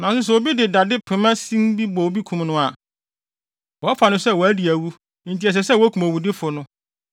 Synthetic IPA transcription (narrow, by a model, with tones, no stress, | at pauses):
nã˨s̬ʊ˦s̬ɛ˨wɔ˨bi˦dɪ˨da˨dɪ˦pʰɪ˨mã˦sĩ˦nbi˦bɔ˨wo˨bi˦kʰũ˨mnʊ̃˦a˨ | wɔ˨˦fa˨nʊ̃˦sɛ˦˨wɔ˨æ˦di˨æ˨wu˦ | n̩˨tʰi˨ɛ˨s̬ɛ˨s̬ɛ˦˨wɔ˦kʰũ˨ma˨wu˨dɪ˦fʊ˨nʊ̃˦